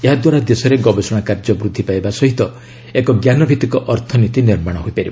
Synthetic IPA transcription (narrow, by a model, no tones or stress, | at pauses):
eɦad̪waɾad̪esɔɾeɡɔbesɔɽ̃akaɾd͡ʒɔbɾud̪ʱːipajbasɔɦit̪ɔ | ekɔɡjanɔbʱit̪ikɔʔɔɾt̪ʰɔnit̪iniɾmaɽ̃ɦoipaɾibɔ